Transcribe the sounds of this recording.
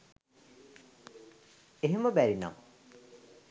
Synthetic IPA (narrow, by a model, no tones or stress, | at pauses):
eɦeməbæɾina̰m